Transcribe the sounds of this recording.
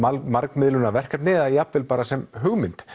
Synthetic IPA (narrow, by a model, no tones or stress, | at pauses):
amaɾkmɪðlʏnavɛr̥kat̪nɪːðajapvɪlpaːɾasɛmɦʏɣmɪnt̪